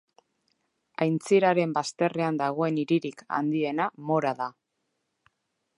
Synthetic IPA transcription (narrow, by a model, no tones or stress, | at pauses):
ajnt͡siɾaɾe̞mbast̪e̞re̞and̪aɣ̞o̞e̞niɾiɾika̰nd̪ie̞namo̞ɾaða